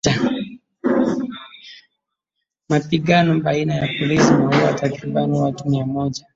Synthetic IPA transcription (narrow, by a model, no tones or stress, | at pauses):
a | mapiɠanɔbainajapɔlisinaɦuwatakɾiɓaniwatumiamɔʄa